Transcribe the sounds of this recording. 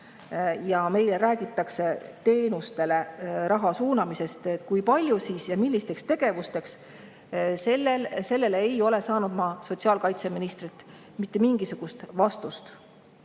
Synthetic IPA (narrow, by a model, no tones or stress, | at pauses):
jɑme̞jleɾæːɡ̥it̪ːˑɑkset̪e̞ːnust̪e̞le̞ɾɑɦɑsuːnɑmise̞st̪t̪kujpɑlʲjusiːsjɑmilːist̪e̞kst̪e̞ɡ̥e̞vust̪e̞ks | se̞lːelse̞lːe̞lejo̞le̞sɑːnud̪̥mɑso̞t̪ʲsiɑːlkɑjt̪se̞minist̪rit̪ːˑ | mit̪ˑːemiŋɡ̥isuɡ̥ust̪vɑst̪ust̪